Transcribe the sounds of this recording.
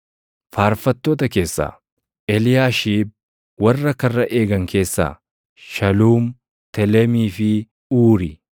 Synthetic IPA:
faːɾfɐt̪ːoːt̪ɐke̞ːsːa̰ː | ʔɛlɪjaːʃiːb̚ | wɐrːɐkɐrːɐʔe̞ːɡɐŋkʰe̞ːsːa̰ː | ʃɐluːm | t̪ɛlɛmiːfɪ | uːɾɪ

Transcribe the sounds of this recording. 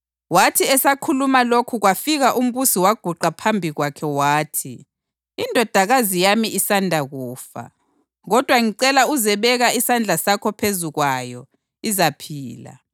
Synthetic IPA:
watʰiɛsakʰulumalokʰuɣwafiɣaʔum̩βusiwaɡ̥ʱuǃapʰambʱiɣwakʰɛwaːtʰiː | ndʱɔd̥ʱaɣazijamiʔisandʱaɣuːfa̰ | ɣɔd̥ʱwaŋiǀɛlauzɛβɛɣaisand͡ɮʱasakʰɔpʰezuɣwajɔ | izapʰiːla̰

